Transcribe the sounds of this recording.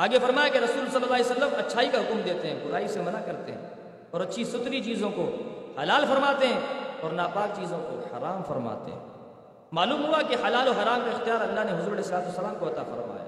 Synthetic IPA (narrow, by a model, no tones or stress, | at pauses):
aːɡefɐɾmaːjakeɾɐsuːlsɐlːəlːaːlisɐlːəmɐtːʃʰaːikaɦʊkmd̪eːt̪eɦɛ̃bʊɾaːisemɐnakɐɾt̪eɦɛ̰̃ː | ɔːɾɐtːʃʰisʊt̪ɾit͡ʃiːzõkohɐlaːlfɐɾmaːt̪eɦɛ̃ɔːɾnaːpaːk̚t͡ʃiːzõko̰hɐ̰ɾaːmfɐɾma̰ːt̪ḛɦɛ̰̃ː | maːluːmɦuakehɐlaːloɦɐɾaːmkaɪxt̪ijaːɾɐlːaneɦʊzuːɾɐlɛːsɐlaːt̪uːsːɐlaːmkoɐt̪afɐ̰ɾma̰ːja̰ː